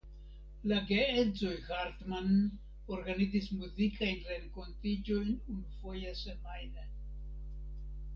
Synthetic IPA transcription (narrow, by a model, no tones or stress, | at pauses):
laɡeezojhaɾtman | oɾɡanizismuzikʰajnrenkontid͡ʒojnunfojasemajne